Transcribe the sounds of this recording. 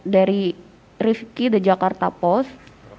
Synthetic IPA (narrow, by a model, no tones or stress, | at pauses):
daɾi | rifkidad͡ʒakart̪apɔs